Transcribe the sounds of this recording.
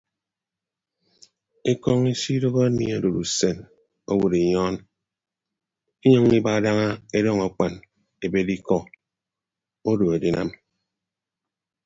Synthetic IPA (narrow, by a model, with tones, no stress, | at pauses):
e˦kɔ˦ŋi˦si˦do˦ɣɔ˦e˦mḭ˨a˨do˨ɾu˨se˨n | o˦wu˨ɾe˨ɲɔ˦n | i˦ɲɔ˦ŋi˦ba˦˨da˦ŋa˦e˦dɔ˦˨ŋa˨k͡pa˨n | e˨be˦di˦kɔ˦ | o˦do˨e˨di˨na˦m